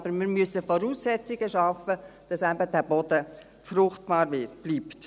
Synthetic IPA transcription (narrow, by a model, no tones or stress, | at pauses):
b̥əɾmɪːɾmyəsəfɔɾuːsːɛt͡siɡəʃɑfəd̥ɑsæbəd̥æːbɔd̥ə | frʊχtb̥ɑːɾvɪb̥liːpt